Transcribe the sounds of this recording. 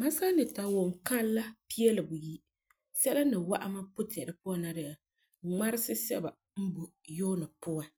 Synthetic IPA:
ma˦sa˦nɨ˨ta˨wo˨ŋ˨ka˦lla˦pi˦ɛ˦lɨ˨bu˨ji˦ | sɛ˦la˦nɨ˨wa̰˦ʔa˦ma˦pʊ˦tɛ˨ɾɨ˨pʊ˦a˨na˦ɾɪ˨a˨ | ŋa˦ɾɪ˦sɪ˦sɛ̰˦ba˨ | m̩˦bu˨joː˦nɨ˨pʊ˦a˨

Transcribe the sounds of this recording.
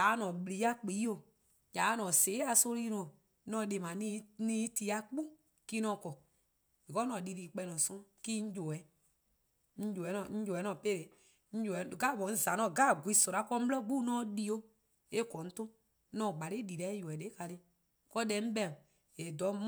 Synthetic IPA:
a˨˦nɔ̃˨ɓli˨˦a˦k͡pi˨˦o˨ | ja˨˦nɔ̃ː˨seː˨˦a˧so˧˦li˧˦nɔ̃˨ | nɔ̃ː˧˨˦de˨mã˨nĩ˧nĩː˦ti˧˦a˧˦k͡pu˦ | kiː˦nɔ̃ː˧˨kɔ˨ | je˨kɔ˦nɔ̃˨li˧liː˨k͡pɛ˧˦˧nɔ̃˨sɔ̃˦ki˦ɲ̩˦d͡ʒo˨ɛ˨˦ | ɲ̩˦d͡ʒo˨ɛ˨˦nɔ̃˨ɲ̩˦d͡ʒo˨ɛ˨˦nɔ̃˨pe˦ɾe˨˦ | ɲ̩˦d͡ʒo˨ɛ˨˦˨ɡa˦˨ɓɔ̃˨n̩˦za˨nɔ̃˧˨ɡaː˦˨ɡʷi˨˦˨sɔ˨ɾa˨˦kɔ˧˦m̩˦blɔ˦ɡ͡bu˦nɔ̃ː˦di˧˦o˧˦ | e˦kɔ˨n̩˦tõ˦ | nɔ̃ː˨ɡ͡ba˨ɾe˦di˨lɛ˨˦jo˨ɛ˨de˦ka˧le˦ | kɔ˧˦dɛ˨˦m̩˦ɓɛ̃˧˨ | je˨dɔ˨˦m

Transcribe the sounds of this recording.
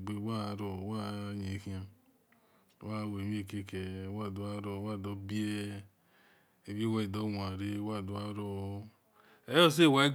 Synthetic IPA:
ɡ͡be˨˦wa˦˨ɾo˨wa˦ɲe˨˦ki˦a˨˦ | wa˦˨we˨m˦e˦˨ke˦ke˨˦wa˦˨du˨a˦ɾo˦wa˦˨do˦bi˦e˦ | e˨be˦wa˦i˨do˦wa˨ɾe˦wa˦˨du˨a˦ɾo˦ | e˦jo˦s̬e˦˨wa˨˦i˦

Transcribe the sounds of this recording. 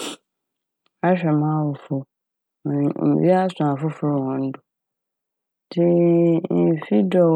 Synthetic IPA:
a˦ɕᶣɛ˨mã˦wʊ˨fʊ˨ | mʊ̃˨m̩˨bḭ˦a˦sʊ˨a˨fʊ˦fʊ˦ɾhɔ̃˨n̩˦dʊ˨ | dɪ˦m̩˨fi˦dɔ˨

